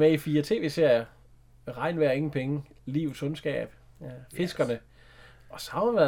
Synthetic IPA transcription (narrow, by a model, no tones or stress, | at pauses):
meifiːɐt͡sʰe̝̰ːʋe̝̰ːseɐ̰jɐ | ʁɑ̈ɪ̰nʋæɐe̝ŋn̩pʰeŋə | liːʊsɔ̽nsɡ̥ɛ̰ːb̥ | fe̝sɡ̥ɐnə | ɒ̽sɑ̈ʊmʋæɐ